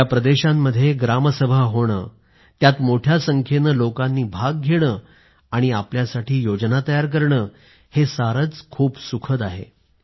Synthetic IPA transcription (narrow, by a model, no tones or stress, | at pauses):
japɾəd̪eɕamːəd̪ʱːjeɡɾaməsəbʱaɦoɽ̃ə̰ː | t̪jat̪moʈʰjasəŋkʰenəlokanːiːbʱaɡ̚ːʱeɽ̃əː | aɽ̃iapljasaʈʰiːjod͡znat̪əjaɾk̬əɾɳəː | hesaɾət͡skʰuːpsukʰət̪aɦḛ